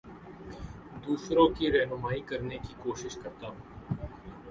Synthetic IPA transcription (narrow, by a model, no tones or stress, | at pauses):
d̪uːsɾõkiɾɛːnʊmaːikɐɾnekikoːʃɪʃkɐɾt̪aːɦũː